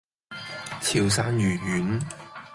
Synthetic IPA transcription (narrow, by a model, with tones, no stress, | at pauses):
t͡sʰiː˨˩wsaː˧njyː˨˩jyː˨˥n